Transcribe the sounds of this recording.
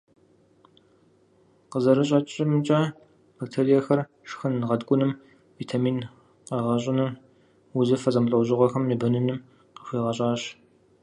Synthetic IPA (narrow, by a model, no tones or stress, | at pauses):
qəzɐɾɨɕ̬ʼɐt͡ʃʼɪmɨt͡ʃʼɐ | b̥ɐk̚tʰerijɛxɐr | ʂxɨnʁɐdkʷʼʊnɨm | viːtʰamiːn | qɐʁɐɕʼɪnɐm | wʊzɐfɐzʼɐmɬʼɐwʑɪʁʷɔxɐmnibɐnɨnɨm | qəxʷiːʁɐɕʼɑːɕ